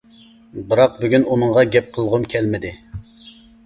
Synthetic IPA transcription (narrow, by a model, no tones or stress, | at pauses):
bɨɾɑq̚byɡʲynunɨɴʁɑɡʲɛp̚qʰəlˠʁʊmkʲʰɛlmɪd̪ɪ